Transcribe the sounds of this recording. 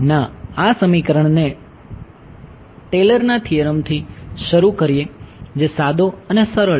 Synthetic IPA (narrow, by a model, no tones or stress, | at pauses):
naasəmikəɾəɳ̃ne | ʈeləɾnat̪ʰijəɾəmt̪ʰiʃəɾukəɾijed͡ʒesad̪ʱoənesəɾəɭ